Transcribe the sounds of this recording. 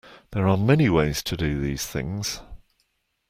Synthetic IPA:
ðəɹəmɛniweɪz̥tʰədəðiːz̥θɪ̰̃ŋz̥

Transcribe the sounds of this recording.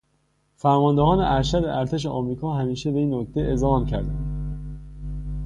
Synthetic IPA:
fæɾmɒːnd̪ehɒːneʔæɾʃæd̪eʔæɾt̪ʰe̞ʃ̬eʔɒmɾiːkʰɒːɦæmiːʃe̞beiːnːoc̚t̪ʰe̞ʔezhɒːmcʰæɾd̪æ̰nd̪

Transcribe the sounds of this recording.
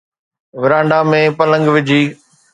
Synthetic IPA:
ʋɪɾãːɳɖamẽːpɐlə̃ŋɡʋɪd͡ʑʱiː

